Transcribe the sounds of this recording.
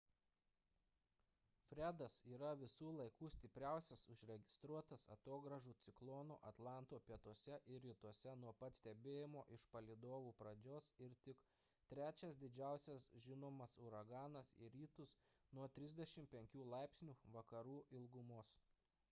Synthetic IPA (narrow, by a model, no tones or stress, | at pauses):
fʲɾʲæːd̪ɐsiːɾɐʋʲɪsuːlˠɐɪkuːsʲt̪ʲɪpʲɾʲæˑʊsʲɛsʊʒʲɾʲɛɡʲɪst̪ɾuɔt̪ɐsɐ̰t̪oːɡɾɐʒuːt̪sʲɪklˠɔno̰ːʔɐt̪lˠɑˑnt̪oːpʲiɛt̪oɔsʲɛʔɪɾʲɾʲɪt̪uɔsʲɛnuɔpɐt̪sʲt̪ʲɛbʲeːjɪmoːʔɪʃpɐlʲɪd̪oːʋuːpɾɐd͡ʒʲoːsɪɾt̪ʲɪk | t̪ʲɾʲæːt͡ʃʲɛsd̪ʲɪd͡ʒʲæˑʊsʲɛsʒʲɪnoːmɐsʊɾɐɡɑːnɐsɪ̰ɾʲiːt̪ʊs | nuɔt̪ʲɾʲɪzʲd̪ʲɛʃʲɪmpʲɛŋʲkʲuːlˠɑˑɪpʲsʲnʲuːʋɐkɐɾuːʔɪlˠɡʊmoːs